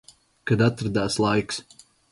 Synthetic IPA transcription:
kad̪at̪ɾad̪aːslˠajks

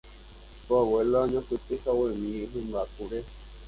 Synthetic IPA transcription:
poaweloaɲõpɨt̪ɨkawemĩɦẽmbakuɾe

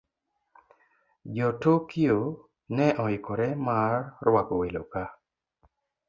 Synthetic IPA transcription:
d͡ʒɔtokio | nɛʔɔɪkoɾɛmarːwakowelo̰ka

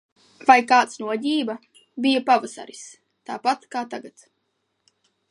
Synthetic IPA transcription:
vajkaːt̪snuɔɟʲiːba | bijapavasa̰ɾis | t̪aːpat̪kaːt̪aɡat̪

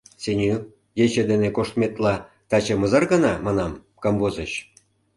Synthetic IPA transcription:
senʲy | jet͡ɕed̪enekoʃt̪met̪lɑ | t̪ɑt͡ɕemɤzɑrɡɤnɑmɑnɑm | kɑmbozəɕ

